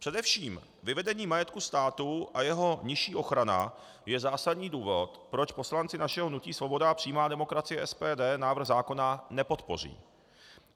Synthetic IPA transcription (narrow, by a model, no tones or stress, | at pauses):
pr̝̥ɛdɛfʃiːm | vɪvɛdɛɲiːmajɛt̪kust̪aːt̪uʔajɛɦo̞ɲɪʃiːʔo̞xɾana̰ | jɛzaːsadɲiːduːvo̞t̪pɾo̞t͡ʃpo̞slant͡sɪnaʃɛɦonuciːsvo̞bo̞dapr̝̥ijmaːdɛmo̞kɾat͡sɪjɛʔɛspɛːdɛːnaːvr̩ɣzaːko̞nanɛpo̞t̪po̞r̝ḭː